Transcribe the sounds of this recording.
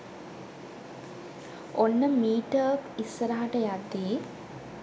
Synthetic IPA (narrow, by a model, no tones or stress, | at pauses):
onːəmiːʈəːkisːəɾaɦaʈəjad̪ːeː